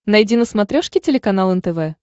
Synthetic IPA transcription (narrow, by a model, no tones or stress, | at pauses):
nɐjdʲinəsmɐt̪ɾʲoʂkʲɪtʲɪlʲɪkɐnalˠɛnt̪ɛvɛ